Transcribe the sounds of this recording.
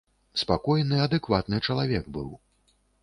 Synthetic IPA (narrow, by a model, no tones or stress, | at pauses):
spakɔjnɨɐd̪ɛkvat̪nɨt͡ʂɐlˠavʲɛɡbɨw